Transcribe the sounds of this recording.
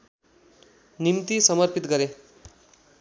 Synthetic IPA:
nimt̪isʌmʌrpit̪ɡʌɾe

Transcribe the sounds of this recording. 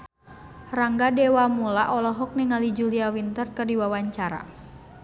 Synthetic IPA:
raŋɡadɛwamulaʔɔlɔɦɔk̚nɛŋalid͡ʒuliawint̪ərkərdiwawaɲt͡ʃaɾa̰

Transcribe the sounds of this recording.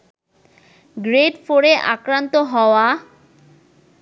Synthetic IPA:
ɡɾeɖfoɾeʔa̰kɾant̪oɦɔoa

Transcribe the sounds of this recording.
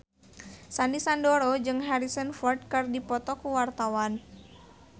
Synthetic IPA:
sanisandoɾod͡ʒɨŋɦaɾisənfɔrd̪̚kɨrdipɔt̪ɔkuwart̪awan

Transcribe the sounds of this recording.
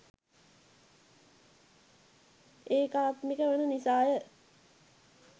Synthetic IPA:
eːkaːt̪mikəʋənənisaːjə

